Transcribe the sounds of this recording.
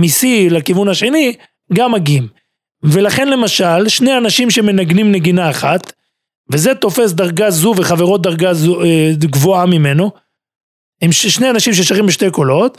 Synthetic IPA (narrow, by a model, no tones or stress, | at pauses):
misilakivunhaʃe̞ni | ɡamaɡim | ve̞laχe̞nle̞maʃalʃne̞janaʃimʃe̞me̞naɡnimne̞ɡinaːχat̪ | vezet̪o̞fe̞sd̪aʁɡazuveχave̞ʁo̞t̪̚d̪aʁɡazueɡvoamime̞no̞ | imʃʃnejanaʃimʃ̬eʃaχimbeʃt̪e̞jko̞lo̞t̪